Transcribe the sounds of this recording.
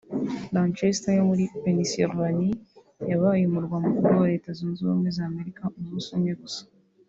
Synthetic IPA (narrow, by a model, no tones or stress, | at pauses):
lant͡ʃestajomuɾiveniseɾvani | jaβajimuɾɡwamukuɾowaɾe̞ːtazoːnzomwezaːme̞ɾikʰamuzusoɲeɡusḁ